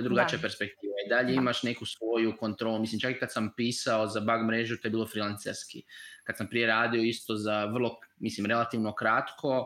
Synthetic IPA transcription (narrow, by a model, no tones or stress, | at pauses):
od̪ɾuɡat͡ʃijape̞ɾspe̞k̚t̪iːʋaid̪aʎe̞imaʃne̞kusʋo̞juko̞nt̪ɾolumislimt͡ʃakikad̪sampiːsao̞zabaɡmɾe̞ʒut̪ojbiːlˠo̞fɾilansḛskḭkad̪sampɾije̞ɾaːd̪io̞ist̪o̞zaʋərlˠo̞mislimɾe̞lat̪iʋno̞kɾat̪kʰo̞